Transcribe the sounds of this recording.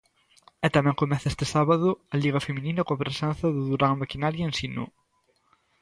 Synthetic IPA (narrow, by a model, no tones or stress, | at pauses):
ɛt̪amɛ̃ŋkomɛθɐest̪ɪsaβɐðʊɐʎiɣ̞ɐfemĩninɐkõɐpɾesɛn̟θɐðuðuɾaŋmakinaɾjɐẽnsinṵ